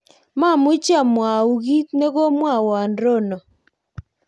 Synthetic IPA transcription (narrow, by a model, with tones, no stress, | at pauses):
ma˦˨mʊ˦t͡ʃja˦˨mwa˨u˨ɡi˦tne˦ɡo˦mwa˦˨wɔ˨a˨ndɾo˦˨nɔ˨